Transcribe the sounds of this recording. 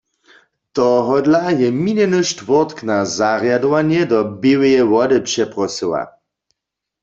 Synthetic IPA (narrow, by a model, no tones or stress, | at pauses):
t̪ɔɦɔdlajɛminɛnɨʃtvɔʁt̪knazaʁjadɔwanjɛdɔbiwɛjɛwɔdəpʃɛpʁɔsəwa̰